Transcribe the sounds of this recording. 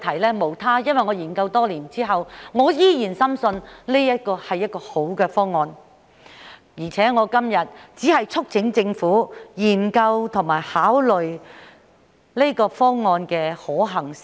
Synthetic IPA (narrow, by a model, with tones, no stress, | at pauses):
t̪ʰɐ˨˩jlɛː˥mo˨˩wt̪ʰaː˥jɐ˥nwɐ˨jŋɔː˨˧jiː˨˩nkɐ˧wt̪ɔː˥liː˨˩nt͡siː˥ɦɐ˨wŋɔː˨˧jiː˥jiː˨˩nsɐ˥msɵ˧nne˥jɐ˥t̚kɔː˧hɐ˨jːɐ˥t̚kɔː˧ho˨˥wkɛː˧fɔː˥ŋːɔː˧n | jiː˨˩t͡sʰɛː˨˥ŋɔː˨˧kɐ˥mjɐ˨t̚t͡siː˨˥hɐ˨jt͡sʰʊ˥k̚t͡sʰɪ˨˥ŋt͡sɪ˧ŋfuː˨˥jiː˨˩nkɐ˧wt̪ʰʊ˨˩ŋmaː˨˩jhaː˨˥wlɵ˨ɥ | ne˥kɔː˧fɔː˥ŋːɔː˧nkɛː˧hɔː˨˥ɦɐ˨˩ŋ